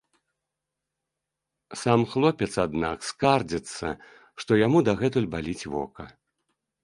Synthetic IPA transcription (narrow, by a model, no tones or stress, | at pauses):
samxlˠɔpʲɛt̪sad̪nakskard͡zʲɛt̪sːɐ̰ | ʂt̪ɔjamud̪ɐɣɛt̪ulʲbalʲit͡sʲvɔ̰kɐ̰